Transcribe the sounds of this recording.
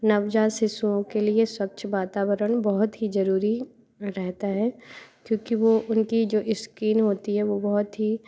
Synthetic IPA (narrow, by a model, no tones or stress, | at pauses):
nɐʋd͡ʒaːsɪsuõkelieswɐkt͡ʃʰʋaːt̪aːwəɾəɳ̃bɐɦʊt̪ɦizɐɾuːɾi | ɾɛɦt̪aɦɛːkjõːkiʋoʔʊnkid͡ʒoːʔɪskiːnɦoːt̪iɦɛʋobɔɦʊt̪ɦi